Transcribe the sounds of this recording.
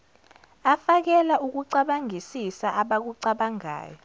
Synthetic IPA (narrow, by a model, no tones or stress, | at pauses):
afak̬ɛlauk̬uǀaɓaŋʱisisaʔaɓak̬uǀaɓaŋa̰ːjɔ